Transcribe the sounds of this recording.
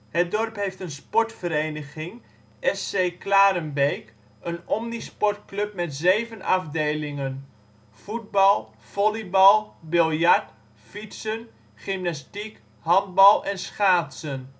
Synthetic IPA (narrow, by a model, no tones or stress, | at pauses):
hət̚dɔrpɦejftənspɔɹtfəɾeːnəχɪŋ | ʔɛsejklaːɾənbejk | ʔənɔmnispɔrtklɵp̚mɛtzeːvənʔɑvdejlɪŋən | fud̚bɑlˠ | v̥ɔlibɑlˠbɪlˠjaɹt | fitsən | χɪmnastik | hɑnd̚bɑlˠʔɛnsχaːtsən